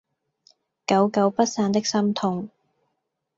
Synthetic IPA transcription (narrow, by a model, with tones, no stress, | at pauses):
kɐ˨˧˥wkɐ˨˧wpɐ˥t̚saː˧nt̪ɪ˥k̚sɐ˥mt̪ʰʊ˧ŋ